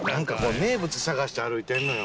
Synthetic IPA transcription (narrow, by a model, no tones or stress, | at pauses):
nãŋkako̞ːne̞ːbɯ̟t͡sɨsaɣaɕi̥t̪eaɾɯ̟it̪ẽ̞nːojo